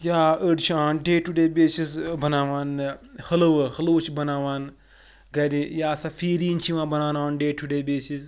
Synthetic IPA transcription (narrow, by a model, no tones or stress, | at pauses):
jaːəɽt͡ʃʰiaːnɖeːʈuɖeːbeːsisbɐnaːʋaːnhɐlɐʋɨhɐloːt͡ʃʰibɐnaːʋaːn | ɡɐɾijaːsafiːɾiːnt͡ʃʰiʋãːbɐnaːnaːnɖeːʈʰuɖeːbeːsis